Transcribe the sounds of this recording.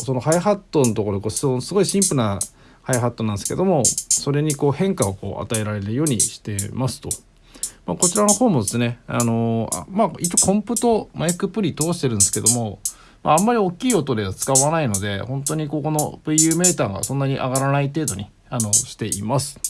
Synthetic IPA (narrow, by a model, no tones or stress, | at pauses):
so̞no̞ɦaiɦat̪ːo̞not̪oko̞ɾoekoːssɨɡo̞iɕĩmpɯɾna | haiɦat̪ːonãnd̪esɨ̥ke̞d̪o̞mo̞so̞ɾe̞ɲ̟iko̞ːhẽ̞ŋkaoko̞̰ːʔa̰t̪ae̞ɾaɾe̞ɾɯ̟jo̞ːɲ̟ḭɕi̥t̪e̞masɨ̥t̪o̞ | ma̰ːko̞t͡ɕiɾano̞ho̞ːmo̞d̪e̞sɨne̞ano̞a̰mait͡ɕːokʰõ̞mpɯ̟t̪o̞maikɯ̟pɯ̟ɾʲit̪o̞ːɕi̥t̪e̞ɾɯ̟nd̪esɨ̥ke̞d̪o̞mo̞ | ma̰amːaɾʲio̞kʲːiːo̞t̪o̞d̪e̞βat͡sɨ̥kaβanaino̞d̪e̞hõ̞nt̪o̞ɲ̟iko̞ːko̞no̞̰pɯijɯːme̞ːt̪aːɡa̰sõ̞nːaɲ̟iʔaɡaɾanait̪e̞ːd̪o̞ɲ̟i | ano̞ɕi̥t̪e̞ʔḭmasɨ̥